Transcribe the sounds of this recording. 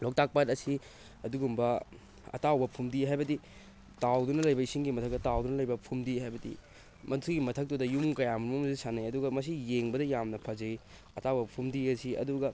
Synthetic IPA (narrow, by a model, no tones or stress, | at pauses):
lok̚tak̚patɐsi | ɐduɡumbɐ | ɐ̰tawbɐpʰumdiɦajbɐdi | tawdunɐlɐjbɐisiŋɡimɐtʰɐk̚tɐtawdunɐlɐjbɐpʰumdihajbɐdḭ | mɐntʰuɡimɐtʰɐk̚tudɐjumkɐjamumɐmusisanajɐduɡɐmɐs̬ijeŋbɐdɐjamnɐpʰɐd͡ʒɐi | ɐtawbɐpʰumdiɐsiɐ̰duɡɐ